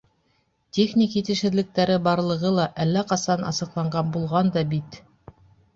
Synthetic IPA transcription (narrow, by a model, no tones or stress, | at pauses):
tʲeχnʲikjit̪ɘ̆ʃɘ̆ðlɘ̆k̚t̪æɾɘbɑɾlˠɤ̆ʁɤlˠɑʔælːæqɑsɑnɑ̰sɤ̆qlˠɑɴɢɑnbulˠʁɑnd̪ɑbit̪